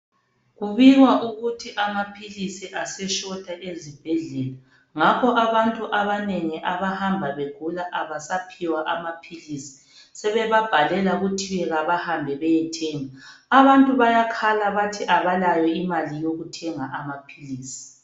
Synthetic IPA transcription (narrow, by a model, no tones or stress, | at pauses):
ɣuβiɣwaʔuɣutʰiʔamapʰilisiʔasɛʃɔd̥ʰʱʼaʔezib̥ʱɛɮɛla | ŋakʰɔʔaβantʼuʔaβanɛŋiʔaβahambʱaβeɡ̥ʱulaʔaβasapʰiwaʔamapʰilisi̥ | sɛβɛβab̥ʱalɛlaɣutʰiwɛɣaβahambʱɛβɛjɛtʰɛːŋaaβantʼuβajakʰalaβatʰiʔaβalajɔimalijoɣutʰɛŋaʔamapʰiliːsi̥